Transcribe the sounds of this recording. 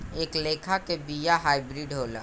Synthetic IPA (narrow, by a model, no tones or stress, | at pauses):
eːkleːkʰakebijaɦaːɪbɾiɖɦoːla̰